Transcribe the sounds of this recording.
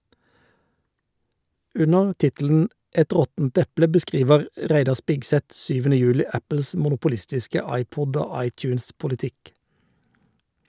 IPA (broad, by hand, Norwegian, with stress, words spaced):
ˈʉnəʁ ˈtɪtl̩n̩ ˈʔɛt ˈʁɔtn̩t ˈɛplə bəˈskʁiːʋəʁ ˈʁæɪdɑ ˈspɪɡˌsɛt ˈsyːʋənə ˈjʉːlɪ ˈæpəls mʊnʊpʊˈlɪstɪskə ˈɑɪˌpɔd ˈoː ˈɑɪˌtjʉːnspʊlɪˌtɪk